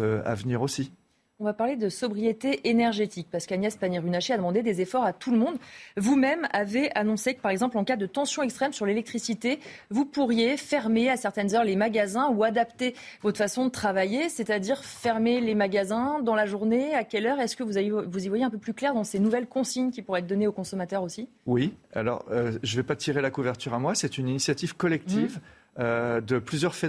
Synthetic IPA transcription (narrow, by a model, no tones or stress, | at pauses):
a̰vniʁosi | ɔ̃vapaʁled̪əsɔbʁijet̪eʔenɛʁʒet̪ik̚paʁsə̥kanjɛspaniʁynaʃead̪əmɑ̃d̪ed̪ezefɔʁat̪ʰuləmɔ̃d̪vumɛmaveʔanɔ̃sekə̥paʁɛɡzɑ̃plɑ̃kad̪ət̪ɑ̃sjɔ̃ɛkst̪χɛmsyʁlelɛk̚t̪χisit̪evupuʁjefɛʁmeasɛʁt̪ɛnzœʁlemaɡʲazɛ̃uad̪apt̪evɔt̪χəfasɔ̃d̪ət̪χavajesɛt̪ad̪iʁfɛʁmelemaɡazɛ̃d̪ɑ̃laʒuʁneakʲɛlœʁɛskəvuzaevuzivwajeɛ̃p̬øplyklɛʁd̪ɑ̃senuvɛlkɔ̃siɲkʲipuʁɛɛt̪̚d̪ɔneokɔ̃sɔmat̪œʁosi | wia̰lɔ̰ʁøʒəvɛpat̪ʰiʁelakuvɛʁt̪yʁamwasɛt̪yninisjat̪iv̥kɔlɛk̚t̪ʰiv | ød̪əplyzjœʁfɛ